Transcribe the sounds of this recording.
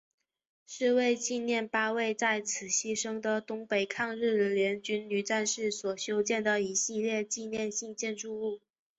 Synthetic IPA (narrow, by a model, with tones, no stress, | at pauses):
ʂɻ̩˥˧we˥˧ɪt͡ɕi˥˧njɛ˥˩npa˥we˥˩˧ɪt͡sa˥˩ɪt͡sʰɹ̩˨˩ɕi˥ʂɤ˥ŋd̪ə˨t̪ʊ˥ŋpe˨˩ɪkʰɑ˥˧ŋɻɻ̩˥˩˨ljɛ˧˥nt͡ɕy˥nny˨˩ʈ͡ʂa˥˧nʂɻ̩˥˩swɔ˨˩ɕjo˥ʊt͡ɕjɛ˥˩nd̪ə˩i˧˥ɕi˥˧ljɛ˥˧t͡ɕi˥˧njɛ˥˧nɕi˥˧ŋt͡ɕjɛ˥˧nʈ͡ʂu˥˧u˥˩